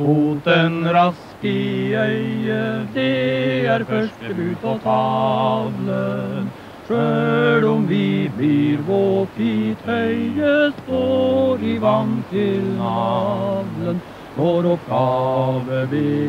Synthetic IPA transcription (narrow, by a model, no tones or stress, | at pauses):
mut̪ɛnɾɑskəœəd̪ɛæɾfœʂʈəlʉːt̪ɔt̪ʰɑʋlə | ʂøːlɔmʋɪbliɾʋofit̪hœʏəst̪oːɾɪʋɑnt̪ʰɪlɑʋlən | fɔɾɔpɡɑːʋəbe